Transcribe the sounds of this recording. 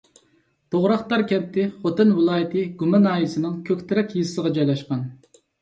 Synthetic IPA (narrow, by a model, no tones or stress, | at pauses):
t̪oʁɾɑχt̪ɑɾkʲʰɛp̚t̪ʰɪχot̪ɨnwɨlˠɑːjɪt̪ʰɨɡumɛnɑːjisɪnɪŋkʲʰøkʲt̪ʰɪɾɛkʲjizɨsəʁɑd͡ʒɑjlˠɛʃqɑn